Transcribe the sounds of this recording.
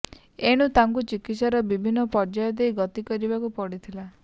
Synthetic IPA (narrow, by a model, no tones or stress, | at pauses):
eɽ̃ut̪aŋkut͡ʃikit̪saɾɔbibʱinːɔpɔɾd͡ʒajɔd̪eiɡɔt̪ikɔɾibakupɔɽit̪ʰila